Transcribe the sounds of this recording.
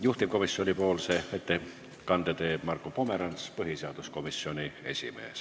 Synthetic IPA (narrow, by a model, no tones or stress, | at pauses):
juht̪ip̚ko̞misːio̞nʲipo̞ːlseet̪ːe | kɑnd̪et̪eːbmɑrkːˑopo̞meɾɑnspɯɦiseɑd̪usko̞misːio̞nʲie̞̰sʲḭme̞̰ːs